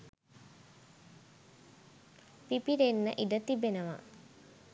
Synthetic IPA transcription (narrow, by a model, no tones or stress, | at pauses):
pipiɾenːəʔiɖət̪ibenəʋa̰